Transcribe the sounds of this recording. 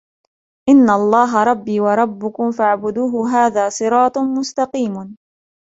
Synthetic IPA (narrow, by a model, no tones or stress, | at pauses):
ʔɪnːaɑlˤːɑːɦɑɾˤɑbːiːwɑɾˤɑbːʊkʊmfaʕbʊd̪uːɦʊɦaːðaːsˤɨɾɑːt̪ˤmʊst̪ɑqiːm